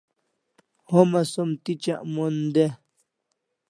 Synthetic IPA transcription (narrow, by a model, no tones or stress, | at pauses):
homasomt̪it͡ʃaʔmond̪e